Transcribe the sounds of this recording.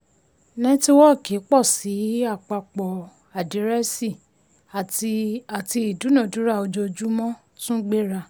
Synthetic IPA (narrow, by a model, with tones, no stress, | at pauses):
nɛ̃˦ti˦wɔ˦˨ke˨˦k͡pɔ˦˨si˨˦a˦˨k͡pa˧k͡pɔ˨ | a˨di˨˦ɾɛ˦si˦˨ | a˨˧a˨ti˧i˨du˨˦nã˦˨du˨˦ɾa˦˨o˧d͡ʒo˧d͡ʒu˦mɔ̃˦ | sũ˦ɡ͡be˦ɾa˧